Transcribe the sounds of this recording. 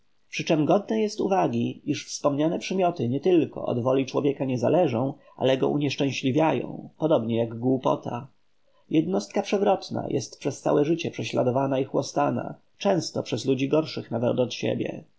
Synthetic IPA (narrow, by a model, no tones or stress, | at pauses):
pʂɘt͡ʂɛmɡɔd̪nɛjɛst̪uvaɡʲiiʂfspɔmɲanɛpʂɘmʲjɔt̪ɘɲɛt̪ɘlkɔ̰ʔɔ̰d̪vɔlʲit͡ʂwɔvʲjɛkaɲɛza̰lɛʐɔ̃w̃ | ʔa̰lɛɡɔ̰ʔṵɲɛʂt͡ʂɛ̃w̃ɕlʲivʲjajɔ̰̃w̃pɔd̪ɔbɲɛjaɡɡwupɔ̰t̪ʰa̰ | jɛd̪nɔst̪̚kapʂɛvɾɔt̪na̰jʔɛ̰st̪̚pʂɛst̪sa̰wɛʐɘt͡ɕɛpʂɛɕlad̪ɔvanaixwɔst̪ana̰ | t͡ʂɛ̃w̃st̪ɔpʂɛzlud͡ʑiɡɔɾʂɘxnavɛt̪ɔt̪ɕḛbʲjɛ̰